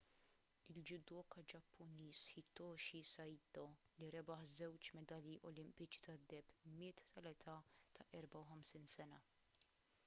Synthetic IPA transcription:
ɪld͡ʒɪd̪ɔːkɐd͡ʒɐpʰːʊniːshɪt̪ːɔːʃisɐjd̪ɔ | liɾɛbɐħzɛwt͡ʃmɛd̪ɐljiʔɔlɪmpɪt͡ʃi̥t̪ɐd̪ːɛpːmɪːt̪t̪ʰɐlɛt̪ʰɐt̪ʰɐʔɛɾbɐwħɐmsiːnsɛnɐ

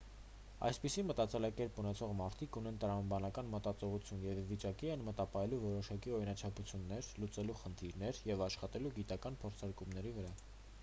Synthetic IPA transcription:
ɑ̰jspisimət̪ɑt͡sɛlɑkɛɾpunɛt͡sʰɔʁmɑɾt̪ʰikunɛnt̪əɾɑmɑbɑnɑkɑnmət̪ɑt͡sɔʁut͡sʰjunjɛvːit͡ʃɑkiɛnmət̪ɑpɑjɛluvɔɾɔʃɑkiɔɾinɑt͡ʃʰɑput͡sʰjunːɛɾlut͡sɛluχənt̪ʰiɾnɛɾjɛvɑʃχɑt̪ɛluɡit̪ɑkɑnpʰɔɾt͡sʰɑɾkumnɛɾivəɾɑ

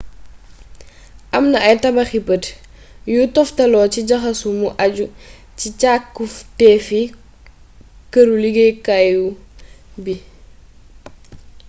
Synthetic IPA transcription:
ʔɐmnɐɐjtɐbɐxipət | jutɔftɐlɔːciɟɐxɐsumuʔɐɟu | cicakːuftɛːfi | kəɾuliɡejkaju | bi

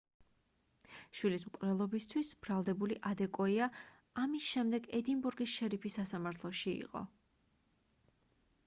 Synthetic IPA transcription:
ʃwilismkʼvlɛlˠɔbist̪ʰwisb̥ɾalˠd̪ɛbuliʔad̪ɛkʼɔia | amisʃɛmd̪ɛɡɛd̪inbuɾɡisʃɛɾipʰisːasamaɾt̪ʰlˠɔʃiḭqʼɔ̰

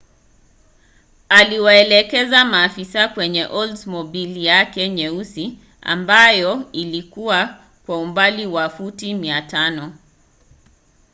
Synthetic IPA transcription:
aliwaɛlɛkɛzamaːfisakwɛɲɛʔɔldzmɔbiljakɛɲɛusi | a̰mbajɔilikuwa | kwaumbaliwafutimiatanɔ

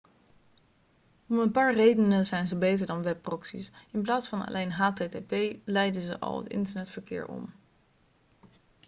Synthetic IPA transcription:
ɔmənpaːɹrejdənəzɛjnzəbejtəɹdɑnʋɛpːrɔksḭsɪnplaːtsfɑna̰lʔejnɦaːtetepejlɛjdəzəʔɑ̰lˠɦə̰tɪ̰ntəɹnɛtfəɹkɪ̰ːɹɔ̰m

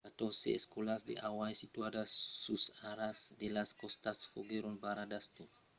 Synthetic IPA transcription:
kat̪ɔsḛɛ̰skolasd̪ḛʔawajsit̪uadasːusaɾasdelaskɔst̪asfoɡeɾunbaɾadast̪o

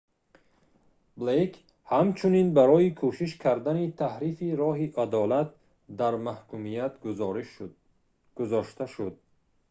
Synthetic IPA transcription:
blekʰ | hamt͡ʃʰuninbaɾɔikʰuʃiʃkʰaɾd̪anit̪ʰahɾifiɾɔɦiʔad̪ɔlat̪̚ | d̪aɾmahkumijat̪ɾ | ɡ̥uzɔʃt̪aʃud̪̚

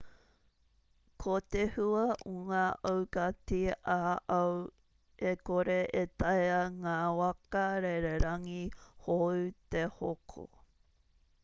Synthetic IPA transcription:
kʰot̪ehuɐoŋaːʔɐwkatiaʔɐw | ekoɾeʔetɐjɐŋaːwɐkɐɾeɾeɾɐŋihowt̪ehokʰo̰

